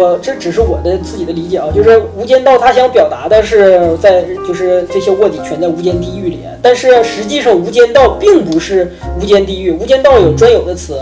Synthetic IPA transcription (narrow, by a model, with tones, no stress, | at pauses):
ɔ˧˩ʈ͡ʂɤ˥˧˩ʈ͡ʂɻ̩˨˩ʂɻ̩˥˩wɔ̰˨˩d̪ə˦t͡sɹ̩˥˩t͡ɕi˨˩d̪ə˦li˧˥t͡ɕjɛ˨˩ɑ˧˦t͡ɕjo˥˧ʊʂɻ̩˥˩u˧˥t͡ɕjɛ˥nt̪ɑ˥˩ʊt̪ʰa˥ɕjɑ˥ŋpjɑ˨˩ʊt̪a˧˥d̪ə˧ʂɻ̩˥˧t͡sa˥˧ɪt͡ɕjo˥˧ʊʂɻ̩˥˧ʈ͡ʂɤ˥˩ɕjɛ˥wɔ˥˩t̪i˨˩t͡ɕʰɥɛ˧˥nd͡zu˧˥t͡ɕjɛ˥nt̪i˥˧y˥˩li˨˩ɛ̰˦nt̪a˥˧nʂɻ̩˥˩ʂɻ̩˧˥t͡ɕi˥˧ʂɑ˥˩ŋu˧˥t͡ɕjɛ˥nt̪ɑ˥˧ʊpi˥˩ŋpu˧˥ʂɻ̩˥˩ | u˧˥t͡ɕjɛ˥nt̪i˥˧y˥˩u˧˥t͡ɕjɛ˥nt̪ɑ˥˩ʊjo˨˩ʊʈ͡ʂwa˥njo˨˩ʊd̪ə˦t͡sʰɹ̩˧˥